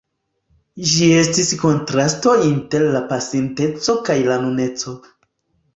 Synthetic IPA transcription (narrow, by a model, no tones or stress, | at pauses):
ʒie̞stisko̞ntɾasto̞inte̞ɾlapasente̞t͡so̞kajlanune̞t͡so̞